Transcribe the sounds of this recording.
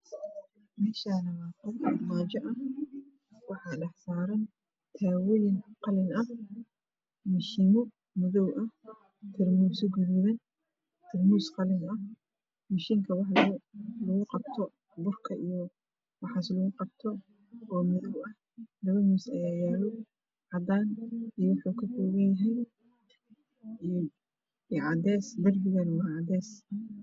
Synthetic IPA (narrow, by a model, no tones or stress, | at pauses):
mɛːʃanɐwaqɔbkʰɐmaːt͡ʃɐʔɐh | wɑħɑːɖɛħsaːɾɐn | t̪ʰaːwɔjɪnqɑlɪnɐh | mɪʃɪnʊ | mʊðɔwʔɐh | t̪ʰɪrmuːsɪɡʊðuðɐn | t̪ʰɪrmuːsqɑlɪnɐh | mɪʃɪŋkʰɐwɑħllʊɣʊqɑbt̪ʰɔ | bʊrkʰɐʔijɔ | wɑħɑslʊɣʊqɑbt̪ʰɔ | ɔːmʊðɔwɐh | lɐβɐmusɐjajaːlɔ | ʕɑd̪aːnijwʊħukʰɐfɔːɣɐnjɐɦɛj | ʕɑd̪ɛːsd̪ɐrbɪɣɐnwɐʕɑd̪ɛːs